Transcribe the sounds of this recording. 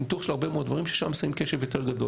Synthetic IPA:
nit̪uχʃelaʁbemeodvaʁimʃeʃa̰msaimkeʃevjot̪eʁɡad̪o̞

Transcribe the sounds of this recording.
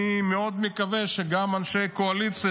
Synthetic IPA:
imeo̞d̪mekave̞ʃeɡamanʃe̞jkoalit͡si

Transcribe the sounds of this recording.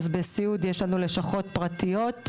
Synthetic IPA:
zbesiud̪jeʃlanule̞ʃaχo̞tpʁatijo̞t̪

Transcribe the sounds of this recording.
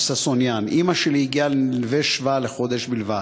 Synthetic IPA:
sasonjanimaʃeliiɡialilveʃvaleχo̞d̪e̞ʃbilva

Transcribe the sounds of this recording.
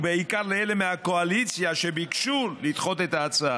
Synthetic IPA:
beikaʁleelemeako̞alit͡sjaʃebikʃulːitχo̞t̪̬et̪aːt͡saa

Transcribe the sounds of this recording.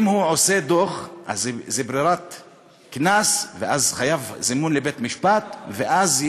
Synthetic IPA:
imhuʕosed̪oχʔa̰zzebɾiɾat̪ | knasveʔazχajavzimunlebet̪miʃpat̪veʔaz

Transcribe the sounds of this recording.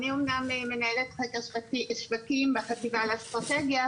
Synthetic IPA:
niomnameme̞naelet̪χekaʃbakimbeχativalast̪ʁat̪eɡja

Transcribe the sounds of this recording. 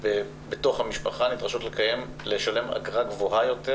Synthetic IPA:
ve | betoχhamiʃpaχanidʁaʃotlekaje̞m | leʃale̞ma̰ɡʁaɡvoɦajo̞te

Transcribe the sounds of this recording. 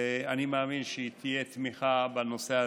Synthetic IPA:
animaːminʃet̪ʰijet̪miχabano̞sea

